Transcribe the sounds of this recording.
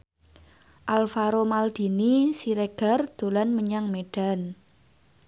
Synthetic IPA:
ʔalfaɾomald̪̥i̤nisiɾeɡ̥a̤rd̪̥o̤lanməɲaŋmeɖ̥a̤n

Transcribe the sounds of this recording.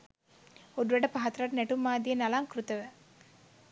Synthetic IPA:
oduɾəɖəpaɦat̪ɐɾɐʈnæʈumːaːd̪ijenalaŋkrut̪əʋə

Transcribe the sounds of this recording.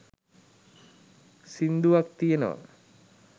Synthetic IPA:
sind̪uʋak̚t̪ijenə̰ʋa̰

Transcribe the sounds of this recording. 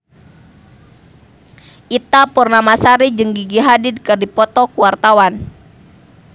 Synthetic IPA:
ʔit̪apurnamasaɾid͡ʒɨŋɡiɡiɦadɪd̚kɨrdipɔt̪ɔkuwart̪awan

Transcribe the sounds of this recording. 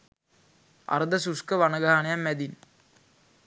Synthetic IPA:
a̰ɾd̪ɐsuskəʋanɐɡaɦanejamːæd̪in

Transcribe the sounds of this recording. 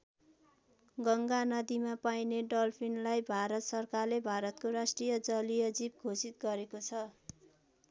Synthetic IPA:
ɡʌŋɡanʌd̪imapajneɖʌlpʰinlajbʱaɾʌt̪sʌrkarlebʱaɾʌt̪koɾasʈrijʌd͡zʌlijʌd͡zib̚ɡʱosit̪̚ɡʌɾekot͡sʰʌ

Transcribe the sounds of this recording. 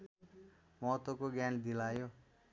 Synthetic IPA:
mʌɦʌt̪wokoɡjand̪ilajo

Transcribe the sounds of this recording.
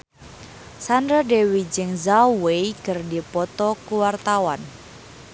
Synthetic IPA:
sandɾadewid͡ʒəŋzawejɡ̥ərdipɔt̪ɔkuwart̪awan

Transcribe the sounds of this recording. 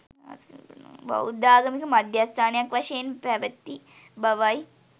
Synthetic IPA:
bɐ̰ud̪aːɡɐmikɐmɐd̪jaːst̪ʰaːnejakʋɐʃɐjenpɛʋɐt̪ːi | bɐʋaj

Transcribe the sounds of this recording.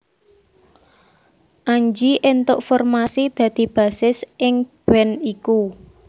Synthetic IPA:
ʔaɲd͡ʒiʔent̪ʊʔfɔrmasid̪̥ä̤d̪̥i̤b̥a̤sɪsʔɪŋb̥ɛniku

